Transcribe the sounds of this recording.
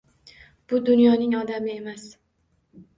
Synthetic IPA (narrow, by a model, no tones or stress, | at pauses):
b̥ʊd̪ʊnjɒnɪŋɒd̪amɪe̞mas